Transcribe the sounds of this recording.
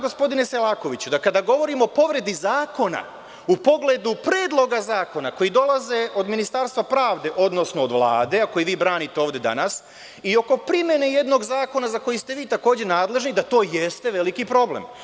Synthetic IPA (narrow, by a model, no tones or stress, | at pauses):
ɡospo̞d̪ine̞selˠaːko̞ʋit͡ɕud̪akad̪aɡo̞ʋo̞ɾimoːpo̞ʋɾe̞d̪izaːko̞na̰ | upo̞ɡle̞d̪upɾeːd̪lˠo̞ɡazaːko̞nako̞jid̪o̞lˠaze̞ʔo̞d̪minist̪aːɾst̪ʋapɾaːʋd̪e̞ʔo̞d̪no̞sno̞od̪ʋlˠa̰ːd̪e̞ako̞jiʋiːbɾaːnit̪e̞o̞ːʋd̪e̞d̪a̰nas | io̞ko̞pɾime̞ne̞je̞d̪no̞ɡzaːko̞nazako̞jist̪e̞ʋiːt̪ako̞ːd͡ʑenaːd̪le̞ʒnid̪at̪o̞ːjest̪e̞ʋe̞likipɾo̞blḛm